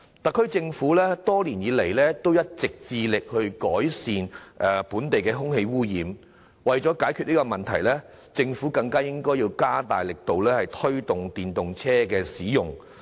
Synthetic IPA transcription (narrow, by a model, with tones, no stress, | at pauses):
t̪ɐ˨kʰːɵ˥ɥt͡sɪ˧ŋfuː˨˥lɛː˥t̪ɔː˥liː˨˩njiː˨˧le˨˩jlɛː˥t̪o˥wjɐ˥t̚t͡sɪ˨k̚t͡siː˧lɪ˨k̚hɵ˧ɥkɔː˨˥jsiː˨nʔɛ˨puː˨˥nt̪e˨jkɛː˧ɦʊ˥ŋhe˧jwuː˥jiː˨m | wɐ˨jt͡ʃɔː˨˥kaː˨˥jkʰyː˨t̚liː˥kɔ˧mɐ˨nt̪ʰɐ˨˩jlɛː˥ | t͡sɪ˧ŋfuː˨˥kɐ˧ŋkaː˥jɪ˥ŋkɔː˥jiː˧wkaː˥t̪aː˨jlɪ˨k̚t̪o˨wlɛː˥hɐ˨jt̪ʰɵ˥ɥt̪ʊ˨ŋt̪iː˨nt̪ʊ˨ŋt͡sʰɛː˥kɛː˧siː˨˥jʊ˨ŋ